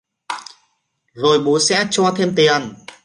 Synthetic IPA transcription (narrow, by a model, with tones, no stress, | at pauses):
zo˨˩jɓu˨˦sɛ̰˧˥t͡ɕɔ˧t̪ʰe˧mt̪i˨˩ən